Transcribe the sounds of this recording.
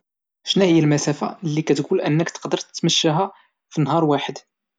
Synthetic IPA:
ʃnæhəjːælmæsæfa̰lːikæt̪ɡulʔənːəkt̪ə̥qd̪əɾˤt̪ət̪məʃːæɦæ | finɦɑɾˤwaħəd̪

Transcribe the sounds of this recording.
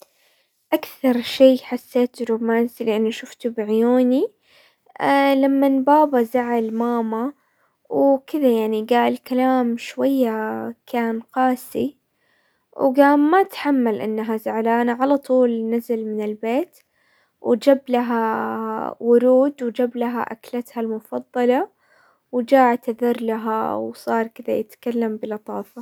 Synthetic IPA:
ʔakθɑɾˤʃeːħasːeːt̪ɾumaːnzilɪʔanːaʃʊft̪ubɪʕɪjuːni | lamːanbaːbazaʕalmaːma | wkɪðajaʕniɡaːʔɪlkalaːmʃwajːakʰaːnqɑːsi | wɡaːmat̪ħamːalʔɪnːaɦazaʕlaːnaʕalɑt̪ˤuːlnazalmɪnɪlbeːt̪ | wd͡ʒablaɦa | wʊɾuːd̪wd͡ʒablaɦa̰ʔa̰klat̪halmʊfɑðˤːɑlɑ | wd͡ʒaːʕt̪aðɑɾˤlaɦa̰wsˤɑːɾˤkɪd̪ajɪt̪kalːambɪlɑt̪ˤɑːfɑ

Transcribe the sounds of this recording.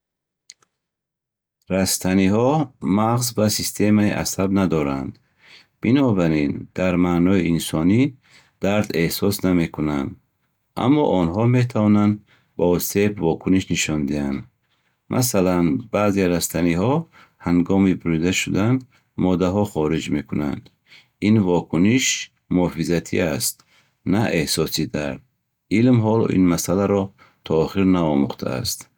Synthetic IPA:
ɾast̪ʰanihɔmaʁzbasist̪ʰe̞maḭʔa̰sabnad̪ɔɾa̰nd̪ | b̥inɔbaɾind̪̥aɾmanɔiinsɔni | d̪̥aɾd̪e̞hsɔsname̞kʰuna̰nd̪ | a̰mːɔ̰ʔɔnɦɔmet̪ʰavɔnand̪ | baɔsebvɔkʰuniʃniʃɔnd̪iand̪ | mʔa̰salanbaːzeɾast̪ʰanihɔ | haŋɡɔmibuɾid̪aʃud̪and̪ | mɔd̪aɦɔχɔɾid͡ʒme̞kʰuna̰nd̪ | invɔkʰuniʃ | muɔfizat̪ʰḭast̪̚ | naʔe̞hsɔsid̪aɾd̪̚ | ilmɦɔlɔ̰ʔḭnmasalaɾɔ | t̪ʰɔːχiɾnaɔmuχt̪ʰa̰a̰st̪

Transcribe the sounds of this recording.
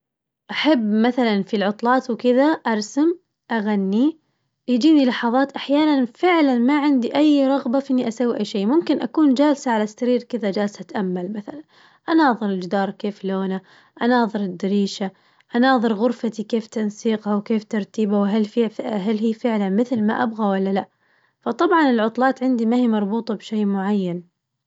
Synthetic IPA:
ʔaħabːmaθalanfilʕʊt̪ˤlɑːt̪wkɪðaʔɑɾˤsam | ʔaɣanːi | jd͡ʒiːnilɑħɑðˤɑːt̪ʔaħjaːnanfɪʕlanmaʕɪnd̪iʔajːɾˤɑɣbafiʔɪnːiʔasawːiʔajːʃeːmʊmkɪnʔa̰kuːnd͡ʒaːlsaʕalast̪ːaɾiːɾkɪðad͡ʒaːlsat̪ʔamːalmaθalan | ʔanɑːðˤɨɾɪld͡ʒd̪ɑːɾˤkeːfloːna | ʔanɑːðˤɨɾɪd̪ːɪɾiːʃa | ʔanɑːðˤɨɾɣʊɾfat̪ikeːft̪ansiːqhawkeːft̪ɑɾˤt̪iːbawɦalfiɦalɦiːfɪʕlanmɪθlma̰ʔabɣawalːalaʔ | fɑt̪ˤɑbʕɑnɪlʕʊt̪ˤlɑːt̪ʕɪnd̪imahiːmɑɾˤbuːt̪ˤɑbʃeːmʊʕajːan

